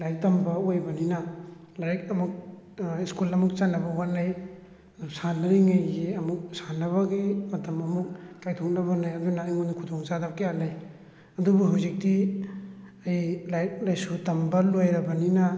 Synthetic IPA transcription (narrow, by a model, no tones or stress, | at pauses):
lajk̚tɐmbɐojbɐninɐ | laɾik̚ɐmuk̚ | iskulɐmuk̚t͡ʃanːɐbɐwanːaj | ɐdusanːaɾiŋajɡiɐmuk̚sanːɐβɐɡimɐtɐmɐmuk̚ːajtʰoŋnɐβɐnajɐdunaːjŋonikʰudɔŋzadap̚kijanaj | ɐdubuɦawzik̚di | ajlajk̚lajsutɐmbɐlojɾɐbɐninɐ